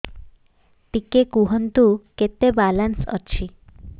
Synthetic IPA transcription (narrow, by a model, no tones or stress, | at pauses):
t̪ikekuɦənt̪uket̪ebalansə̰t͡ɕʰi